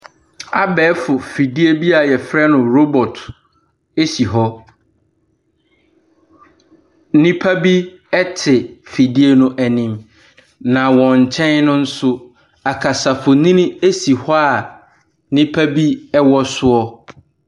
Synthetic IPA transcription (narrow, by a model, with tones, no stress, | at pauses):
a˦bɛː˨˦fʊ˨fi˨di˦e˦bi˦a˨jɛ˨fɾɛ˦nʊ̃˨ɾo˦bɔ˨tʰ | e˦si˨ɦɔ˦ | nĩ˦pʰa˦bi˦ | ɛ˦tʰɪ˨fi˨di˦e˨nʊ̃˦ʔæ˨nĩ˨m | nã˨wɔ̃˨ɲ̩˨t͡ɕʰɛ̃˦nnʊ̃˦n̩˦sʊ˦ | a˨kʰa˨sa˨fʊ˨nĩ˦nĩ˦e˦si˨hɔ˦a˨˦ | nĩ˦pʰa˦bi˦ɛ˦wɔ˦sʊ˦ɔ˦